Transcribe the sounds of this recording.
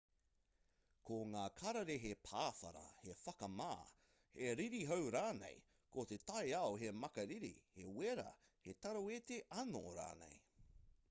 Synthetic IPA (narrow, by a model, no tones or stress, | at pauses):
kʰoŋaːkʰɐɾɐɾeɦepʰaːfɐ̰ɾɐ̰hefɐkɐmaː | heɾiɾiɦowɾaːnḛj | kot̪et̪ɐjɐoɦemɐkɐɾiɾḭheweɾɐ̰ | het̪ɐɾowet̪eʔɐno̰ɾa̰ːnḛj